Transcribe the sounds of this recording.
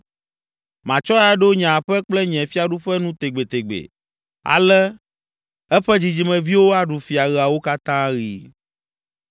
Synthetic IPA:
mã˨t͡ʃɔ˦a˦ɖo˦ɲã˨ɸɛ˦k͡plɛ˦ɲɛ̃˨fi˦a˨ɖu˦ɸɛ˦nũ˦t̪e˨ɡ͡be˨t̪e˨ɡ͡bḛ˨ | a̰˨lɛ˦ | ɛ˦ɸɛ˦d͡ʑi˨d͡ʑi˨mɛ̃˨vi˦wo˦a˦ɖu˨fi˨a˨ɣɛ˨a˨wo˦ka˦t̪ã˦ɣi˨

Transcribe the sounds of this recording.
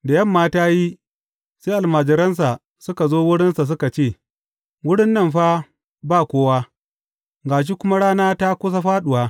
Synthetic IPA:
da˨jɐ˦˨mːaː˦taː˦ji˦ | seː˦ʔa˨lmaː˨d͡ʒɪ˨ɾɐ˦ns̬a˨ | sʊ˦ka˨zoː˦wʊ˦ɽɪ˦nsa˨s̬ʊ˦ka˨t͡ʃeː˦˨ | wʊ˦ɽɪ˦nːɐ˦mɸa˦ | baː˦˨kʷoː˦waː˦ | ɡaː˨ʃ̬i˦kʷʊ˦ma˦ɽaː˦naː˦ta˦kʷʊ˦s̬a˦ɸaː˦ɗʊ˨waː˦

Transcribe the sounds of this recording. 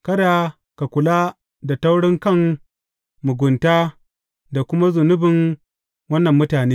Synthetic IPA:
kɐ˦daː˨ | ka˨kʷʊ˨laː˦ | da˨ta˦wɽɪ˦ŋkɐ˦˨ŋ | mʊ˨ɡʷʊ˨ntaː˦ | da˨kʷʊ˦ma˦zʊ˨nʊ˦bɪ˨ŋ | wɐ˦nːɐ˨mːʊ˦taː˨neː˦

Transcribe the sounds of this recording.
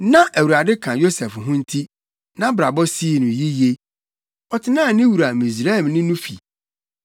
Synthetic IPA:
nã˦ʔæ˨wu˨ɾa˨dɪ˦kʰã˨jo˦sɛ˨fɦʊ̃˦n̩˦tʰi˦ | nã˦bɾa˨bɔ˦si˦˨nʊ̃˨ji˦je˦ | ɔ˨tʰɪ˨nãː˦˨nɪ̃˦wu˨ɾa˨mĩ˨s̬ɾa˦˨mnʊ̃˦nʊ̃˦fḭ˨

